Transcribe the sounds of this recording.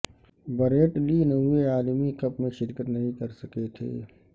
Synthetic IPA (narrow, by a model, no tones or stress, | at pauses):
bəɾeːʈlinɐeaːlmikɐpmẽʃɪɾkət̪nɐɦĩkɐɾsɐket̪ʰḛː